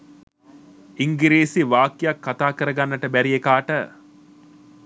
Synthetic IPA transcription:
iŋɡiɾiːsiʋaːkːijakːat̪aːkəɾəɡanːəʈəbæɾijekaːʈə

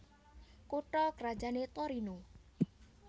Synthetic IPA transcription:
kuʈɔkɾḁd͡ʒanet̪ɔɾinu

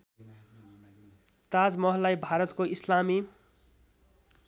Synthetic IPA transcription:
t̪ad͡zmʌɦʌlːajbʱaɾʌt̪koislami

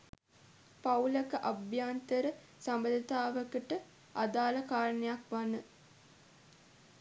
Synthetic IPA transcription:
pauləkəʔabjaːnt̪əɾə | sambəd̪ət̪aːʋəkəʈə | ad̪aːləkaːɾənejakʋanə

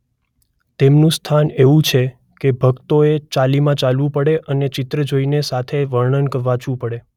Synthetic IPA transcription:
t̪emnũst̪ʰaneʋũt͡ʃʰe | kebʱəɡt̪oet͡ʃalimãt͡ʃalʋũpəɽeʔənet͡ʃɪt̪ɾəd͡ʒoinesat̪ʰeʋəɾɳənkəʋat͡ʃũpəɽe

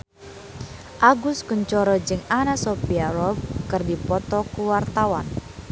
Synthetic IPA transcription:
ʔaɡʊskuɲt͡ʃɔɾɔd͡ʒɨŋanasɔpiaɾɔbkərdipɔt̪ɔkuwart̪awan

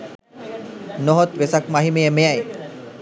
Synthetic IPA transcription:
noɦot̪ʋesak̚maɦimejemejaj

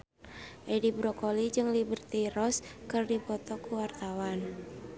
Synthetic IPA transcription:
ʔedibɾɔkolid͡ʒɨŋlibərt̪irɔskɨrdipɔt̪ɔkuwart̪awan

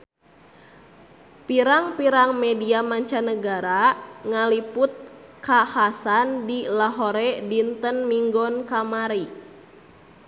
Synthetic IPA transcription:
piɾaŋpiɾaŋmɛdiamaɲt͡ʃanəɡaɾaŋaliput̪̚kahasandilaɦoɾɛdint̪ənmiŋɡɔnkamaɾi

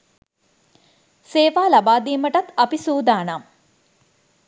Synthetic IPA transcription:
seːʋaːlabaːd̪iːməʈɐt̪ɐpisuːd̪aːnam

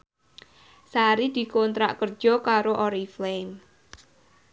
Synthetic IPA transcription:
saɾid̪̥i̤kont̪ɾa̰ʔkər̥ʒ̥ɔ̤kaɾoʔɔɾiflem

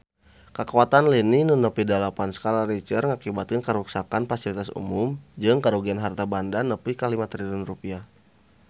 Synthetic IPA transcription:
kəkawat̪anlininunəpidalapansə̥kalaɾit͡ʃərŋakibat̪̚kənkəɾuksakanfasilit̪asṵmʊmd͡ʒɨŋkaɾuɡianɦart̪abandanəpikalimat̪ɾilunrupia

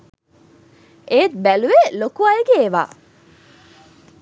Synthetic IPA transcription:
eːt̪̚bæluʋelokuajeɡeːʋa̰ː

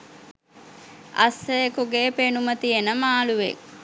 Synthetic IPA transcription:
ɐ̰sːəjekuɡeːpenumət̪ienəmaːluʋḛk

